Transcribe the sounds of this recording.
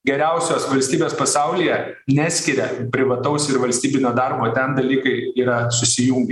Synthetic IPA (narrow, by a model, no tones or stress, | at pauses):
ɡʲɛɾʲɛˑʊsʲoːsʋɐlʲsʲt̪ʲiːbʲeːspɐsɑʊlʲijɛ | nʲæːsʲkʲɪɾʲɛpʲɾʲɪʋɐt̪ɐʊsɪɾʋɐlʲsʲt̪ʲiːbʲɪnʲoːd̪ɑɾboːt̪ʲɛnd̪ɐlʲiːkɐɪiːɾɐsʊsʲɪjʊŋʲɡʲ